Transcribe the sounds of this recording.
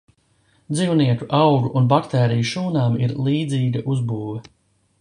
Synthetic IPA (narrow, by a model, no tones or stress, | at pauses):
d̪ziːwniɛkuʔawɡuʔunbakt̪ɛːɾijuʃuːnaːmiɾlˠiːd̪ziːɡɐʔuzbuːvɛ